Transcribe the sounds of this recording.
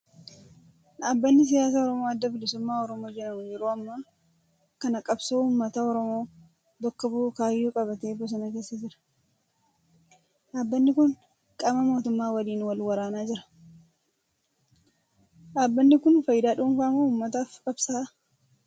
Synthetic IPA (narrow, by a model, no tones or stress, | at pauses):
ᶑaːbːɐnːɪs̬ɪjaːs̬aːɔɾɔmoːɐd̪ːɐbɪlɪsʊmːaːɔɾɔmo̞ːd͡ʒɛnɐmʊd͡ʒɛɾuːɐmːɐ | kɐnɐkʼɐbsoːʊmːɐt̪ɐɔɾɔmo̞ː | d̪ɔkːɐbukaːjːuːkʼɐbɐt̪eːbɔs̬ɐnɐke̞ːsːɐd͡ʒɪɾɐ̥ | ᶑaːbːɐnːɪkʊn | kʼɐmɐmo̞ːt̪ʊmːaːwɐliːnwɐlwɐɾaːnaːd͡ʒɪɾɐ̥ | ᶑaːbːɐnːɪkʊnfɐjd̪aːᶑuːnfaːmoʊmːɐt̪̬aːfkʼɐbsaː